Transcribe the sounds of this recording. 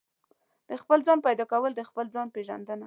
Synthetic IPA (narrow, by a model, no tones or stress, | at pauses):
d̪̥əxpəld͡zɑnpajd̪ɑkawəld̪əxpəld͡zɑnpeʒa̰nd̪əna